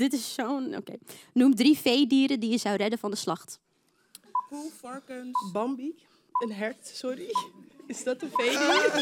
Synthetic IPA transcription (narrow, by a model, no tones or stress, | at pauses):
dɪtɪsːowno̰kḛjnumdrifejdiːɾədijəzɑwrɛdənvɑndəslɑχt | hufɑɹkənbɑmbik | ənɦɛɹtsɔɾiɪzdɑtənfejdiː